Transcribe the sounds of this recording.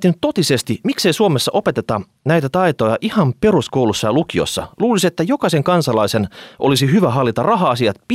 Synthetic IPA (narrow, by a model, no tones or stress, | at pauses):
t̪ːinyt̪t̪ot̪isest̪imikseisuomesːɑʔopet̪et̪ɑ | næjt̪æt̪ɑit̪ojɑʔihɑmpe̞ruskoulusːɑjɑlukio̞̰sːɑ̰luːliset̪ːæjokɑiseŋkɑnsɑlɑisenʔo̰lisiɦyʋæɦɑlːit̪ɑrrɑɦɑɑsiɑt̪pi